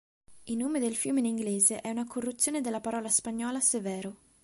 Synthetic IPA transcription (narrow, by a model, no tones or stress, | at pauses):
ilnːoːmed̪elfjuːmeiniŋɡleːzeʔɛunakʰorːut̪sːjoːned̪elːapaɾɔːlaspaɲːɔːlasevɛːɾo